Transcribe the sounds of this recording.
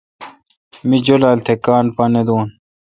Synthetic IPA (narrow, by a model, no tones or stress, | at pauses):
mid͡ʑolaːlt̪ʰekaːnpɐned̪uːn